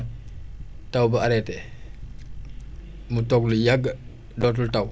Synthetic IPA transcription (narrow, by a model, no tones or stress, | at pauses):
tɐwbɐaɾɛtɛ | mutɔklujaɡːə | dɔt̬ultaw